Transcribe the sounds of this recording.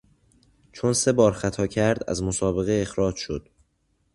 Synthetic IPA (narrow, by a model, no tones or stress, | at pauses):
t͡ʃʰo̞nse̞bɒːɾxæt̪ʰɒːcʰæɾd̪æ̰zmosɒːbe̞ɣeːxɾɒːd͡ʒʃo̞d̪̥